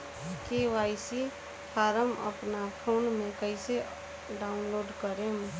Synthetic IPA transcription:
keʋaːɪsi | pʰaːɾəmə̰pnapʰoːnmẽkəɪse | ɖaːʊnloːɖkəɾem

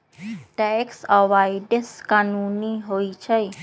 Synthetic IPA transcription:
ʈɛksəʋajɖəskanuniɦojt͡ʃʰəj

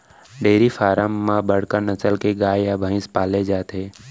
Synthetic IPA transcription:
ɖeːɾifʰaːɾəmːãbəɽ̤kəɾnət͡ʃəlkeɡaːjjabʱə̃ɪ̃spaːled͡ʒaːt̪ɦeː

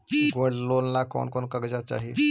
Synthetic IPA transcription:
ɡoɽlonlakɔ̰nkɔnkəɡd͡ʑat͡ʃa̰ɦi

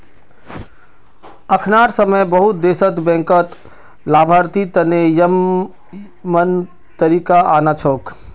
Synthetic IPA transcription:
ɐkʰnaːɾsəməjbəɦʊt̪̚d̪eːsət̪bɛ̃ŋkət̪ | laːbʱaːɾt̪it̪ɐnejəm | mən | t̪əɾiːkaʔaːnat͡ʃʰoːk

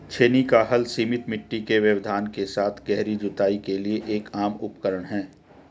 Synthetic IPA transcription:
t͡ʃʰeːnikaɦɐlsiːmɪt̪mɪʈːikeʋjəʋd̪ʱaːnkesaːt̪ʰɡɛɦɾid͡ʒʊt̪aːikelieʔeːkaːmʊpkəɾəɽ̃ɦɛː

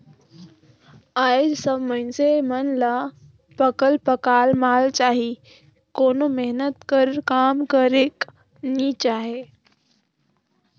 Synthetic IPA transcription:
aːjɪd͡ʒsəbmə̃nsemənla | pəkəlpəkaːlmaːlt͡ʃaːɦi | koːnomeɦnət̪kəɾkaːmkəɾeːk | nit͡ʃaːɦeː

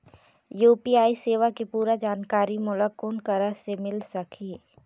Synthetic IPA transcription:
juːpiːaːiseːʋakepuːɾad͡ʒaːnkaːɾimʊlakoːnkəɾasemɪlsɐkʰi

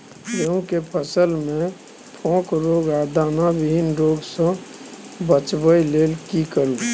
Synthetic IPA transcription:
jəɦũkepʰəsəlmẽ | pʰɔ̃ːkɾoːɡad̪anabibinɾoːɡsə̃ | bət͡ʃbəileːlkikəɾu

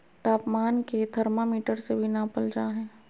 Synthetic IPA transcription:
t̪aːpmaːnked̪ʱɐɾmamiːʈəɾsebʱinapəld͡ʒaːɦɛ̃ː

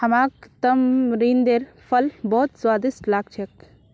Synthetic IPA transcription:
hɐmaːkt̪əmɾiːnd̪eɾ | pʰəlbɔːt̪swaːd̪isʈlaːɡt͡ʃʰɛk

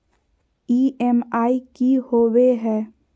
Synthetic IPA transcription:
iːɛmaːikihoːweɦɛː

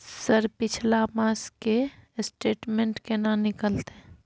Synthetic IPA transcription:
səɾpɪt͡ʃʰlamãːskesʈeːʈmẽɳʈkenãːnɪkəlt̪e

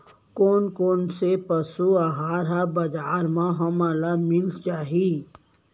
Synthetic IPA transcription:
koːnkoːnsepɐsuaɦaːɾɦabɐd͡ʒaːɾmãɦɐmaːlamɪlt͡ʃaːɦi

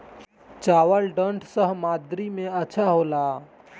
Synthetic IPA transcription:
t͡ʃawəlɖəɳʈʰsəɦmad̪ɾimẽəːʃʰaɦola

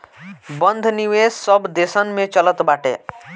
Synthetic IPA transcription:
bənd̪ʱniwessəbd̪esənmet͡ʃələt̪baʈḛ

